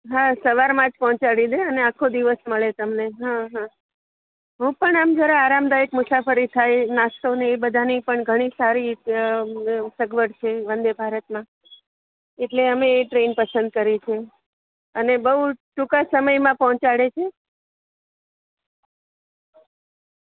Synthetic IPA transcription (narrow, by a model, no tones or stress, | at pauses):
ɦãsəʋaɾmãd͡ʒpɔɦɔ̃t͡ʃaɽid̪eəneakʰod̪iʋəsməɭet̪əmneɦãɦã | ɦũpəɳamd͡ʒəɾaːɾamd̪aekmʊsafəɾit̪ʰajnast̪oneːbəd̪ʱanipəɳɡʱəɽ̃isaɾi | səɡʋəʈt͡ʃʰeʋənd̪ebʱaɾət̪mã | eʈleəmeːʈɾenpəsə̃nd̪̚kəɾit͡ʃʰe | ənebəɦuʈukasəməjmãpɔɦɔ̃t͡ʃaɽet͡ʃʰe